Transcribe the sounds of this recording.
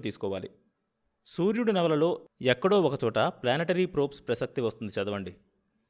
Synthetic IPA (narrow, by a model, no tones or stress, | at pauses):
t̪iːsu̥kɔːʋa̰ːlḭ | suːɾjuɽunɐʋɐlɐlo̞ːɛkːɐɽo̞ːɔkɐt͡ʃɔːʈɐplaːneʈɐɾipɾoːpspɾɐsɐk̚t̪iʋɐst̪und̪it͡ʃɐd̪ɐʋɐɳɖi